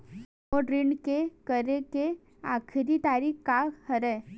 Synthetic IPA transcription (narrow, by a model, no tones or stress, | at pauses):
ɔɖɾɪɳɖkekəɾeke | a̰ːkʰɪɾit̪aːɾiːkkahəɾɛː